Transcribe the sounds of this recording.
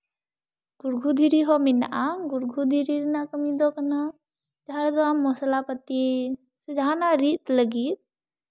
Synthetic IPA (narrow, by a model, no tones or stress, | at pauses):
ɡ̥uɾɡʱud̪ʱiɾiɦɔminaʔaɡuɾɡʱud̪ʱiɾiɾnakəmid̪ɔkəna | d͡ʒaɾd̪ɔamːɔsəlapət̪i | sud͡ʒʱaːnaɾit̪ləɡit̪̚